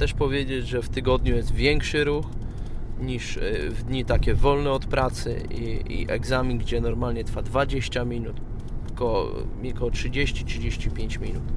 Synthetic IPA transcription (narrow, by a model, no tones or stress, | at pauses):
t̪ɛʂpɔvʲjed͡ʑed͡ʑʐɛft̪ɘɡɔd̪ɲujɛst̪vʲjɛŋkʂɘɾux | ɲiʂvd̪ɲit̪akʲɛvɔlnɛɔt̪pɾat̪sɘ̰ | ḭḭʔɛɡzamʲinɡd͡ʑɛnɔɾmalɲɛt̪ɾfad̪vad͡ʑeɕt͡ɕamʲinut̪ | kɔ̰ | mʲɛkɔɔtʂɘd͡ʑeɕt͡ɕitʂɨd͡ʑeɕt͡ɕipʲjeɲt͡ɕmʲinut̪